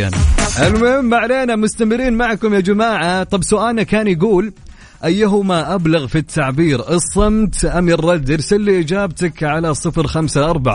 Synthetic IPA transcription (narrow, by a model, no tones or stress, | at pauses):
a̰nʔɪlmʊhɪmːaʕleːnamʊst̪amɪɾiːnmaʕkʊmjad͡ʒamaːʕat̪ˤɑbsʊʔaːlnakaːnjɡuːl | ʔajːaɦʊmaʔablaɣfit̪ʰːaʕbiːɾʔɨsˤːɨmt̪ʔamɪrˤːɑd̪ːɪɾsalːiʔɪd͡ʒaːbt̪akʕalasˤɨfɾxamsaʔɑɾˤbaʕa